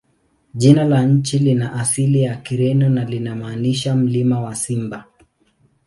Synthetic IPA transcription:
ʄinalaɲ̩t͡ʃilinaʔasilijakiɾɛnɔnalinamaːniʃam̩limawasimba

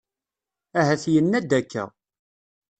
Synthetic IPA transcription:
æhæθjənːæd̪ækʰːæ̰

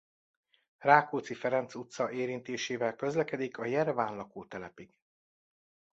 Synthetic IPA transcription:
raːkoːt̪sifɛɾɛnt̪sut̪sɒeːɾint̪eːʃeːvɛlkø̞zlɛkɛd̪ikʰɒjɛrvaːnlɒkoːt̪ɛlɛpiɡ̥

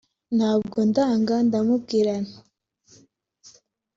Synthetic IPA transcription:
nabɡund̪aaŋɡand̪amuɡiɾan

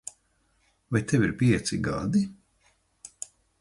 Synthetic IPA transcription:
vajt̪eviɾpʲiɛt̪siɡa̰d̪i

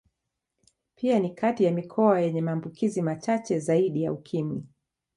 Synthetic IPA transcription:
pʰianikʰatijamikʰɔajɛɲɛmaːmbukʰizimat͡ʃat͡ʃɛzaiɗija̰ukʰimwi

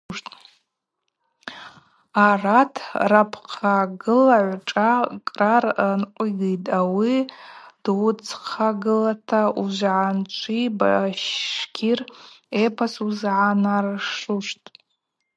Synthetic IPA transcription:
ʂtʼ | aratʰrapʰqʰaɡɨlaʕʷʈ͡ʂʼakʼrarnqʷʼiɡijtʼawid̥ut͡sʰqʰaɡɨlatʰauʒʷʕant͡ʃʷʰibaʃkʲʰirepʰasuzʕanarʂuʂtʼ

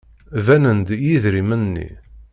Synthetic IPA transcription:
vænənd̪jiðɾimənːḭ

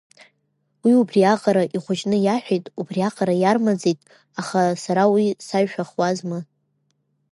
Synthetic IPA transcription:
wiubriaqʼaɾaʔiχʷʊt͡ʃʼnɨjaħᶣejtʼubriaqʼaɾajarmad͡zejtʼ | aχasaɾawisaɥʃᶣaχwazmɨ

